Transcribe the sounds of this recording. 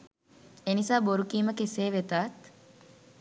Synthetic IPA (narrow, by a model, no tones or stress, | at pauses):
enisaːboɾukiːməkeseːʋet̪aːt̪